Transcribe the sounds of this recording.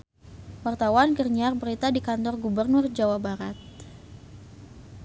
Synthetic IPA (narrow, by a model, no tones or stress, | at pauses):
wart̪awankərɲarbəɾit̪adikant̪ɔrɡubərnʊrd͡ʒawabaɾat̪̚